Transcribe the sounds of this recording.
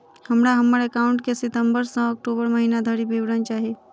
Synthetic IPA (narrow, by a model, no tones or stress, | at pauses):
həmɾaɦəməɾekaːʊ̃ɳʈkesɪt̪əmbəɾsə̃ək̚ʈoːbəɾməɦiːnad̪ʱəɾibeʋɽənt͡ʃaːɦie